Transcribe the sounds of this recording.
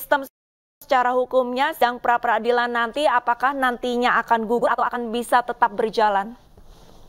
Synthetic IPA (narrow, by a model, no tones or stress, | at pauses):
st̪əms | sə̥t͡ʃaɾaɦukumɲasədaŋpəɾapəɾadilanːant̪iapakahnant̪iɲaakanɡuɡʊat̪aakanbisat̪ət̪ap̚bərd͡ʒalan